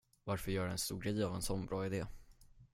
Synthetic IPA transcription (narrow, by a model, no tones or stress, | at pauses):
vaɾfœɾjœːɖɛɛnst̪uːɾɡɾɛjːavɛnsɔnbɾɑːɪd̪eː